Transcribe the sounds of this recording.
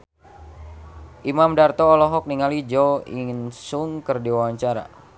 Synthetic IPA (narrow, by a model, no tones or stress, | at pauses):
ʔimamdart̪ɔːlɔɦɔk̚niŋalid͡ʒɔḭnsuŋkərdiwawaɲt͡ʃaɾa̰